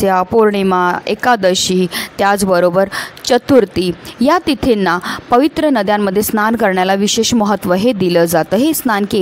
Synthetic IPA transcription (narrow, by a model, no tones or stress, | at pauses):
japuɾɳimaekad̪əɕiːt̪jad͡zbəɾobəɾt͡ɕət̪uɾt̪iːjat̪it̪ʰenːapəʋit̪ɾənəd̪jamːəd̪ʱːjesnankəɾɳjalaʋiɕeɕməɦət̪ʋəɦed̪iləːd͡zat̪əːɦesnanke